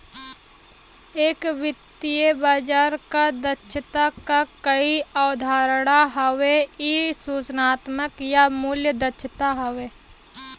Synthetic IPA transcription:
eːkʋɪt̪ːijəbaːd͡ʒaːɾkad̪ətːʃʰət̪akakəiaʊd̪ʱaːɾɽ̃aɦəweisuːt͡ʃnaːt̪məkjamuljəd̪ətːʃʰət̪aɦəʋeː

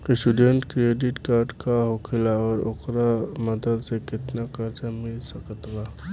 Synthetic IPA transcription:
ɪsʈuɖẽɳʈkɾeːɖɪʈkaːɾɖkaɦokʰɪlaɔːɾokɾamɐd̪əd̪sekɪt̪nakəɾd͡ʒamɪlsɐkət̪ɡaː

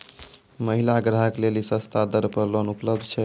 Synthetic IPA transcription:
məɦilaɡɾəɦəklelisə̃st̪ʰad̪əɾpəɾlonupləb̚d̪ʱt͡ʃʰɛ

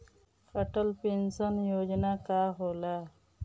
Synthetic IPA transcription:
fɐʈəlpinsanjoːd͡ʑnakaːɦola

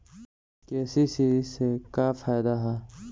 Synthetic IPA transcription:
kɛːsisisekaːfaːjd̪aɦɛː

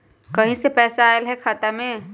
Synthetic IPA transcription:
kɐɦĩsepɛːsaaːelɦɛkʰaːt̪amẽ

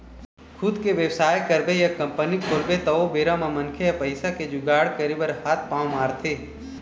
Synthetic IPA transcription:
kʰʊd̪keʋjəwsaːjkəɾbejɐkɐ̃mpənikʰoːlbet̪ɐobeːɾamãmɐnkʰejɐpəɪsaked͡ʒʊɡaːɽkəɾibəɾhaːt̪̚ʰpãːmaːɾt̪ʰeː

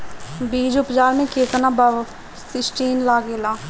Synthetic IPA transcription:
biːd͡ʒʊpd͡ʒaːɾmẽkeːkənaːbə | sɪsʈiːnlaːɡeːlaː

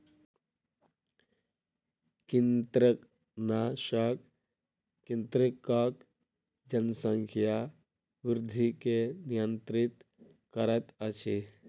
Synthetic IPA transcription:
kint̪ɾək | naʃak | kint̪ɾikːak | d͡ʒɐnsə̃ŋkʰja | ʋɪɾd̪ʱikenijə̃nt̪ɾit̪ | kɐɾət̪ɐt͡ʃʰi

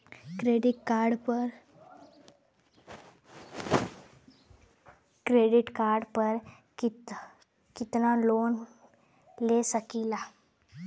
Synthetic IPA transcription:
kɾeɖiʈkaɾɖpəɾ | kɾeɖiʈkaɾɖpəɾ | i | kit̪nalon | lesəkila

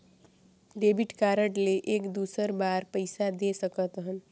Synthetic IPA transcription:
ɖebiʈkaɾəʈleʔekd̪usəɾbaɾpəjsad̪esəkət̪ɦən

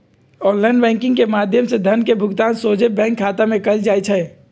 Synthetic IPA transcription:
ɔːnlaɪnbɛ̃ːŋkɪ̃ŋɡkemaːd̪ʱjəmsed̪ʱənkebʱʊɡt̪aːnsoːd͡ʒebɛ̃ːŋkʰːaːt̪amẽkəld͡ʒaːjt͡ʃʰɛ

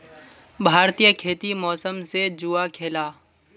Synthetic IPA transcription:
bʱaːɾt̪ijəkʰeːt̪imɔːsəmsed͡ʒuakʰeːlaː

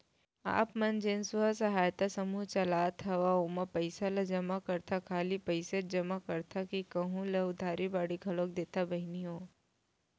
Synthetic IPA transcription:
a̰ːpmɐnd͡ʒensʊasɐɦaːjt̪asɐmuɦt͡ʃɐlaːt̪ɦɐʋaomapɐɪsalad͡ʒɐmakɐɾt̪ʰakʰaːlipɐɪsed͡ʒɐmakɐɾt̪ʰakikɐɦũleʊd̪ʱaːɾibaːɽiɡʱɐloːk̚d̪eːt̪abɐɦɪniɦõː

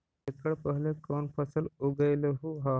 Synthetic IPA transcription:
ekəɽpəɦlekɔːnpʰəsəluɡəjleɦuɦa

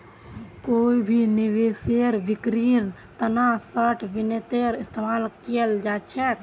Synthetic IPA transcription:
koibʱiniʋeseɾʋikɾiɾ | t̪ənasəʈʰʋinet̪eɾist̪emalkijəld͡ʒat͡ʃʰɛk

